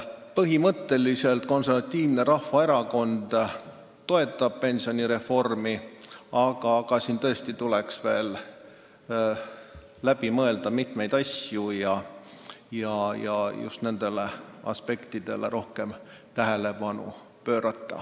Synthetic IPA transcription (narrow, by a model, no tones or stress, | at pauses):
pɤɦimɤt̪ːˑe̞lise̞lt̪ko̞nservɑt̪ʲːiːvne̞ɾɑhvɑe̞ɾɑko̞nd̪̥ | t̪o̞e̞t̪ːˑɑb̥̚pe̞nʲsio̞nʲiɾe̞fo̞rmiɑɡ̥ɑɡ̥ɑsiːnt̪ɤe̞st̪it̪ule̞ksve̞ːl | læb̥imɤe̞ld̪ɑmit̪me̞jd̪̥ɑsjujɑ | jɑjɑjṵst̪ne̞nd̪̥e̞le̞ɑ̰spe̞kt̪id̪̥e̞̰lḛɾʔo̞hke̞m | t̪æɦe̞le̞bɑnṵ | pø̞ːɾɑt̪ːɑ̰